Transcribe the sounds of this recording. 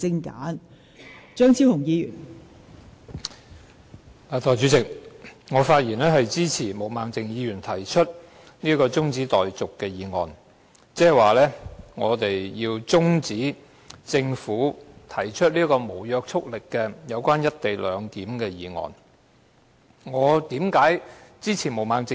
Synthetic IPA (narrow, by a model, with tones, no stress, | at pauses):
t͡sɪ˧ŋka̰ː˨˥n | t͡ʃœː˥ŋt͡sʰiː˥whʊ˨˩ŋjiː˨˧jyː˨˩n | aː˨t̪ɔː˨˩t͡ʃyː˨˥t͡sɪ˨k̚ŋɔː˨˧faː˧t̚jiː˨˩nlɛː˥ɦɐ˨jt͡siː˥t͡sʰiː˨˩mo˨˩wmaː˨ŋt͡sɪ˨ŋjiː˨˧jyː˨˩nt̪ʰɐ˨˩jt͡ʃʰɵ˥t̚ | niː˥kɔː˧t͡sʊ˥ŋt͡siː˨˥t̪ɔː˨jt͡sʊ˨kːɛː˧jiː˨˧ŋɔ̰ː˨n | t͡sɛː˥˨waː˨˩lɛː˥ŋɔː˨˧t̪e˨jjiː˧wt͡sʊ˥ŋt͡siː˨˥ | t͡sɪ˧ŋfuː˨˥t̪ʰɐ˨˩jt͡ʃʰɵ˥t̚liː˥kɔː˧mo˨˩wjœː˧k̚t͡sʰʊ˥k̚lɪ˨kːɛ˧jɐ˨˧wkʷaː˥njɐ˥t̚t̪e˨jlœː˨˧ŋkiː˨˥mkɛː˧jiː˨˧ŋɔ̰ː˨˩n | ŋɔː˨˧t̪iː˨˥mkaː˨˥jt͡siː˥t͡sʰiː˨˩mo˨˩wmaː˨ŋt͡sɪ˨